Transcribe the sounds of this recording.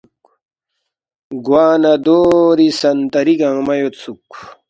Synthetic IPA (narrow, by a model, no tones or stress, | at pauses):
k | ɡwaːnad̪oːɾisɐnt̪ɐɾiɡɐŋmɐjot̪t͡sʰuk